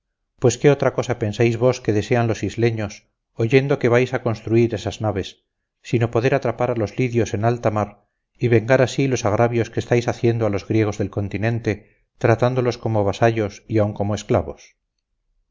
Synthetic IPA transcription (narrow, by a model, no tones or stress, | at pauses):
pwe̞ske̞ot̪ɾako̞sape̞nsajzβo̞ske̞ðe̞se̞anlo̞sizle̞ɲo̞s | oʝe̞nd̪oke̞βajsako̞nst̪ɾuiɾe̞saznaβ̞e̞sː | ino̞po̞ðe̞ɾat̪ɾapaɾalo̞zliðjo̞se̞nalt̪amaɾ | iβe̞ŋɡaɾasilosaɣ̞ɾaβjo̞skest̪ajsaθje̞nd̪oalo̞zɣɾje̞ɣ̞o̞zðe̞lko̞nt̪inẽ̞nt̪e̞ | t̪ɾat̪and̪o̞lo̞sko̞moβ̞asaʎo̞siauŋko̞moesklaβo̞s